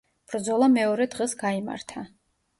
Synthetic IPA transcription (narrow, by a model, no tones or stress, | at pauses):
b̥ɾd̪zɔlˠamɛɔɾɛd̪ʁɛsɡaima̰ɾt̪ʰa